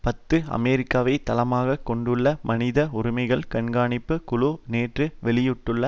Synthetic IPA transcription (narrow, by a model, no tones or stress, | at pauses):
pɐt̪ːɯɐ̰mɛːɾɪkːaːʋɐɪt̪ɐlɐmaːɣɐkɔɳɖɯɭːɐmɐnɪðɐʊɾɪmɐɪɣɐɭkɐɳɡaːɳɪpːɯkʊlʊneːʈrɯʋɛɭɪjɯʈːɯɭːɐ